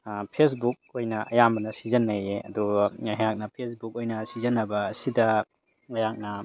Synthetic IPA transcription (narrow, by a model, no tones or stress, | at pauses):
pʰes̬buk̚ojnɐʔɐ̰jambɐnɐsizɐnːɐjeɐ̰duɦɐjak̚nɐpʰesbuk̚ojnɐsizɐnːɐbɐːsidɐ | lɐjak̚nɐ